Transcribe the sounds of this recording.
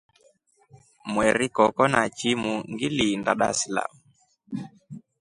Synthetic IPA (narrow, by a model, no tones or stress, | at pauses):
mwɛɾikɔkɔnat͡ʃimuŋɡilindaɗa̰sila̰mu